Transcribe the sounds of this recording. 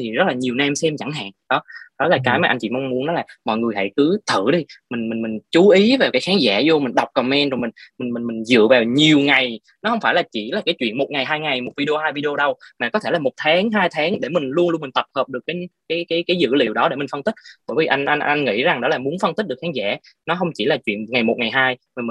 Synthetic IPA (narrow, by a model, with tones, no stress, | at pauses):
t̪ʰi˨˩zə˦˥t̚laː˨˩ɲi˨˩wna˧msɛ˧mt͡ɕa˧˩ŋɦa̰ː˧˨ŋɗɔ˨˦ɗɔ˨˦laː˨˩kaː˨˦jmaː˨ʔa˧jŋt͡ɕḭ˧˨mɔ˧wŋ͡mmu˨˦nɔ˨˦laː˨˩mɔ̰˧˨jŋɨ˨˩əjɦa̰˧˨jkɨ˨˦t̪ʰɨ̰˧˨ɗi˧mï˨˩ŋ̟mï˨˩nmï˨˩ŋ̟t͡ɕu˨˦ʔi˨˦va˨˩wkaː˨˦jxaː˨˦ŋzaː˧˩zo˧mi˨˩nɗa˨˩wk͡p̚kɔ˨˩mɛ˧nzo˨˩jmï˨˩ŋ̟mi˨˩nmï˨˩nmï˨˩ŋ̟zɨ̰˧˨əvaː˨˩wɲi˨˩əwŋa˨˩j | nɔ˨˦hə˧wŋ͡mfaː˧˩jlaː˨˩t͡ɕi˧˩laː˨˩kaː˨˦jt͡ɕwḭ˧ənmo˨˩t̚ŋa˨˩jɦaː˧jŋa˨˩jmo˨˩t̚vi˧ɗi˧o˧haː˧jvi˧ɗi˧o˧ɗə˧wmaː˨˩kɔ˨˦t̪ʰe˧˩lːmo˨˩t̚t̪ʰaː˨˦ŋɦaː˧jt̪ʰaː˨˦ŋɗe˧˩mï˨˩ŋ̟lu˧nlu˧mi̟˨˩t̪ə˨˩p̚həː˨˩p̚ɗɨ˨˩kːa˨˦kaː˨˦jkaː˨˦jkaː˨˦jzɨ̰˧˨lḭ˧˨əwɗɔ˨˦ɗe˧˩mi˨˩ŋ̟fə˧nt̪i˦˥k̚ɓəː˧˩jvi˨˩ʔa˧ŋʔa˧ŋʔa˧jŋŋḭ˧˥za˨˩ŋɗɔ˨˦laː˨˩mu˨˦ənfə˧nt̪i˦˥ɗɨ˨˩əkxaː˨˦ŋza̰ː˧˩ | nɔ˨˦ɦə˧wŋ͡mt͡ɕi˧˩laː˨˩t͡ɕwḭ˧˨ənŋa˨˩jmo˨t̚ŋa˨˩jɦaː˧jma˨˩˨